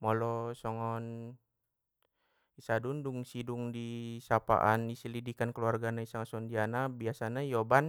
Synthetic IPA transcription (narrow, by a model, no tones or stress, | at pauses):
mɔlɔsɔŋɔn | isadunduŋsiduŋdisapa̰ʔanisəlidikankəluarɡanaisaŋasɔndianabiasanajɔban